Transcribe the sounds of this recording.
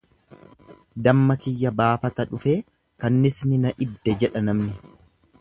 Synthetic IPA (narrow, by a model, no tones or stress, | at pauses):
d̪ɐmːɐkɪjːɐbaːfɐt̪ɐᶑʊfe̞ː | kɐnːɪsnɪnɐʔɪd̪ːɛd͡ʒɛᶑɐnɐmnɪ